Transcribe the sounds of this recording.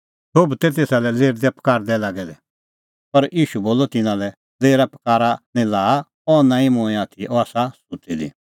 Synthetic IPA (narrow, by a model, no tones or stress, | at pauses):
sobt̪ɛt̪̬eːsalɛleːɾd̪ɛpɐ̥kaːɾd̪ɛlaːɡɛd̪ɛ | pɐɾiːʃuboːlɔt̪ɪnãlɛ | leːɾapkaːɾanɛ̃laː | ɔnãːĩmʊ̃ɛ̃aːt̪ʰiʔɔaːsasʊtid̪ḭ